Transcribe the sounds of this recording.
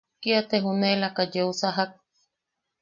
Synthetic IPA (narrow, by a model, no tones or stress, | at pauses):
kiat̪eɦunelakad͡ʒeusaɦak̚